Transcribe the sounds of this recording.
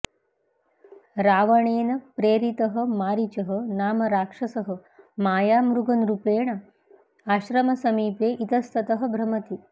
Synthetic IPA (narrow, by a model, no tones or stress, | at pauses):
ɾaːʋɐɳeːnɐpɾeːɾit̪ɐɦɐ̆maːɾit͡ʃɐɦɐ̆naːmɐɾaːkʂɐsɐɦɐ̆maːjaːmɾuɡɐnɾupeːɳɐ | aːʃɾɐmɐsɐmiːpeːʔit̪ɐst̪ʰɐt̪ɐɦɐ̆bʱɾɐmɐt̪i